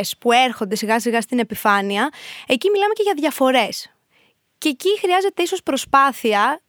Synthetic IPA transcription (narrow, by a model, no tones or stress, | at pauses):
spueɾxo̞nd̪e̞siɣɐsiɣɐst̪ine̞pifɐniɐe̞cimilɐme̞ce̞ʝɐðʝɐfo̞ɾe̞s | ceːcixɾiɐze̞t̪e̞iso̞spɾo̞spɐθiɐ